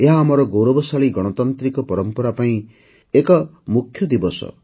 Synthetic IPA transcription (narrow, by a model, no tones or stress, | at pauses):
eɦaːmʌɾɔɡowɾɔbɔsaɭiɡɔɽ̃ɔt̪ɔnt̪ɾikɔpɔɾʌmpɔɾapaĩ | ekɔmukʰːjʌd̪ibɔsɔ̰